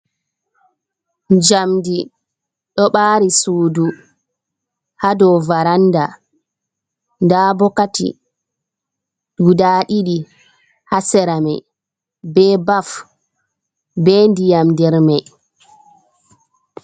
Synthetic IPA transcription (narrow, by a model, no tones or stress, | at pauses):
d͡ʒamdi | ɗɔɓaːɾisuːdu | hadɔvaɾanda | ndabɔkatḭ | ɗudaːɗiɗi | hasɛɾamɛ̰j | bɛːbaf | bɛːndijamdɛɾmaj